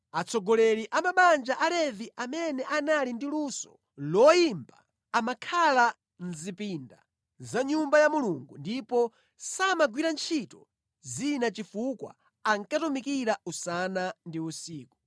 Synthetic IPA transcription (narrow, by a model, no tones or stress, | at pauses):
at͡sʰɔɡɔlɛɾiʔamaɓand͡ʒaʔalɛviʔamɛnɛʔanalindiluːsɔ̥ | lɔjimba̰ː | makʰala | n̩zipinda̰ | zaɲumbajamuluŋɡundipɔ | samaɡwiɾant͡ʃʰitɔ | zinat͡ʃifukwa̰ | aŋkatumikiɾausanandiusiːku̥